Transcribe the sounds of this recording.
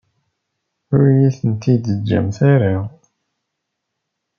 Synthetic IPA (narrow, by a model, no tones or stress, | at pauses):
ʊɾjiθənt̪id̪əd͡ʒːæ̰mθaɾa